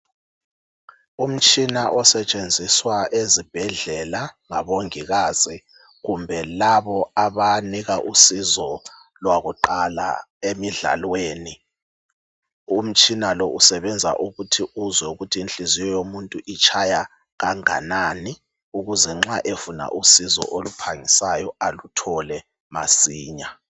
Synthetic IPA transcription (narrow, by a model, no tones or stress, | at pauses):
um̩t͡ʃʼinaʔɔsɛt͡ʃʼend͡zʱiswaʔezib̥ʱɛɮɛlaŋaβoŋiɣaːz̥i | ɣumbʱɛlaβɔaβaniɣaʔusizɔ | lwaɣuǃala̰emiɮa̰lweːni | um̩t͡ʃʼinalɔʔusɛβɛnd͡zʱa̰ʔuɣutʰiuzwɛuɣutʰiːnɬizijɔjomuntʼuʔit͡ʃʰaja | ɣaŋa̰nani | uɣuzɛŋ͡ǁaʔefuna̰ʔusizɔ̰ʔolupʰaŋisajɔalutʰɔlɛ | ma̰siːɲa